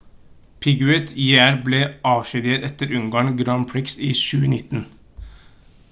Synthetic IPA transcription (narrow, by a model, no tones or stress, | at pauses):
pʰɪɡʉɛt̪ʰːjææɾbleːʔɑːʋʃʏd̪eːɾɛt̪əɾʉŋɡɑːɳɡɾɑmpʰɹɪksiːʃʉːənɪt̪n̩